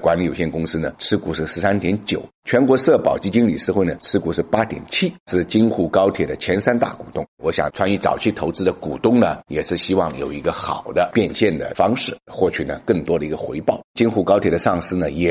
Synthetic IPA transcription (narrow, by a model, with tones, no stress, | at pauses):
kwa˧˥nli˧˥jo˨˩ɕjɛ˥˩nkʊ˥ŋsɹ̩˥nə˨ʈ͡ʂʰɻ̩˥ku˧˥ʂɻ̩˥˩ʂɻ̩˧˥sa˥nt̪jɛ˧˥nt͡ɕjo˨˩˦ʊt͡ɕʰɥɛ˧˥nkwɔ˧˥sɤ˥˩pɑ˨˩ʊt͡ɕi˥t͡ɕi˥ŋli˨˩ʂ̩˥˧xwe˥˩ɪnə˩t͡sʰɻ̩˥ku˧˥ʂɻ̩˥˩pa˥t̪jɛ˨˩nt͡ɕʰi˥ʂɹ̩˥˩t͡ɕi˥nxu˥˩kɑ˥ʊt̪ʰjɛ˨˩d̪ə˦t͡ɕʰjɛ˧˥nsa˥nt̪a̰˥˩kṵ˨˩t̪ʊ˥˩ŋwɔ˧˥ɕjɑ̰˨˩ŋt͡sʰwa˥ny˧˩t͡sɑ̰˨˩ʊt͡ɕʰi˥˩t̪ʰo˧˥ʊt͡sɹ̩˥d̪ə˨ku˨˩t̪ʊ˥ŋnə˨jɛ˨˩ʂɻ̩˥˩ɕi˥wɑ˥˩ŋjo˨˩ʊi˧˥ɡə˧xɑ˨˩ʊd̪ə˦pjɛ˥˧nɕjɛ˥˩nd̪ə̰˩fɑ˥ŋʂɻ̩˥˩xwɔ˥˩t͡ɕʰy˨˩nə˩kə˥˩ŋt̪wɔ˥d̪ə˨i˧˥ɡə˧xwe˧˥ɪpɑ˥˩ʊt͡ɕi˥nxu˥˩kɑ˥ʊt̪ʰjɛ˨˩d̪ə˦ʂɑ˥˩ŋʂɹ̩˥nə˨jɛ˨˩